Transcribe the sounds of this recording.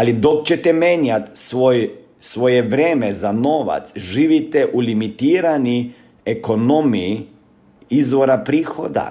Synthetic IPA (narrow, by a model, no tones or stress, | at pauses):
alid̪o̞kt͡ɕet̪ɛmeɲat̪sʋoj | sʋo̞jeʋɾeːmezanoːʋa̰t̪sʒiːʋit̪ɛʔulimit̪iːɾani | eko̞no̞mii | izʋo̞ɾapɾiːxo̞̰d̪a̰